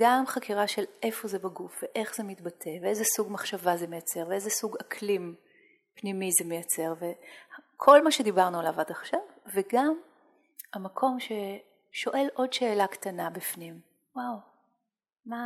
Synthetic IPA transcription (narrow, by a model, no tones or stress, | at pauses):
ɡamχakiʁaʃe̞lʔe̞fo̞zebaɡufveʔe̞χz̥emit̪batʰe̞veezesuɡmaχʃavazemejat͡se̞ʁveezesuɡakʰlim | pnimizemejat͡se̞ʁvekʰo̞lmaʃe̞dibaʁnualavadaχʃavveɡam | amakʰo̞mʃe̞ | ʃo̞ʔe̞lʔo̞dʃe̞ːlakt̪anabifnim | waw | ma